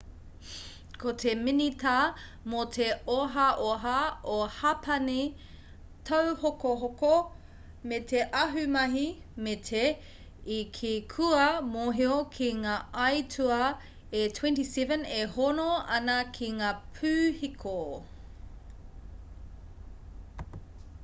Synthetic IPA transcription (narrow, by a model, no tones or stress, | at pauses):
kʰotʰeminitaː | motʰeoɦɐʔoɦɐʔohapʰɐni | tʰɐwhokoɦoko | metʰeʔɐɦʉmɐɦi | metʰe | ikʰikʰuɐmoɦiokʰiŋaːɐjtʰuɐ | etʰwɛ̃ntisɛvə̃nehonoɐnɐkʰiŋaːpʰʉːhikʰo